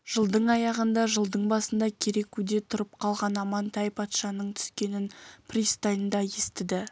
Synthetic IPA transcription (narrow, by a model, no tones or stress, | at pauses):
ʒ̥əlˠd̪əɴɑjɑʁənd̪ɑʒəlˠd̪əɴbɑsənd̪ɑkʲʰeɾe̞kʉd̪e̞t̪ʰʊɾəp̚qʰɑlˠʁɑnɑmɑnt̪ʰɑjpʰɑt̪ʃɑnəɴt̪ʰʏ̥skʲe̞nɪnpʰrist̪ajnd̪ɑjest̪ɪd̪ɪ